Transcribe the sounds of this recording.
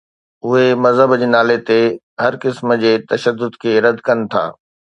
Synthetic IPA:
ʊɦemɐzɦəbd͡ʑeːnaːlet̪e | ɦɐɾkɪsmd͡ʑeːt̪ɐʃəd̪ːʊd̪kʰeːɾɐd̪kɐnɪ̆t̪ʰa̰ː

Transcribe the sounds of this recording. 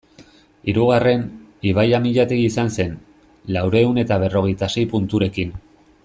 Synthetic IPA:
iɾuɣ̞are̞niβ̞ajamiʎat̪eɣiisanse̞n | lawɾe̞une̞t̪aβ̞e̞ro̞ɣ̞e̞jt̪ase̞jpunt̪uɾe̞kin

